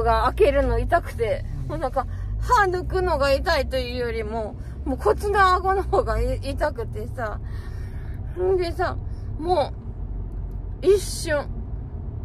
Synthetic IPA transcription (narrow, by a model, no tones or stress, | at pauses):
ɡaːke̞ɾɯ̟no̞it̪akɯ̟̥t̪e̞ | moːnãŋka | hanɯ̟kɯ̟no̞ɡait̪ait̪o̞jɯ̟ːjo̞ɾʲimo̞ | moːkʰo̞t͡sɨɡ̪aːɡo̞nohoːɡait̪akɯ̟t̪e̞sa | ɯ̃d̪esamoː | iɕɨ̃ɴ